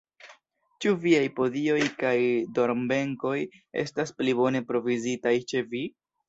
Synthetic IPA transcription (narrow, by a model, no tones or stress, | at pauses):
t͡ʃuviajpo̞zio̞jkajdo̞ɾmbe̞ŋko̞je̞̰stasplibo̞ne̞pɾo̞vizitajt͡ʃe̞vi